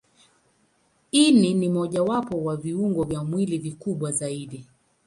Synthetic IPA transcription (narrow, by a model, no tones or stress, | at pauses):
ininimɔʄawapɔwaviuŋɡɔvjamwilivikuɓwazaiɗi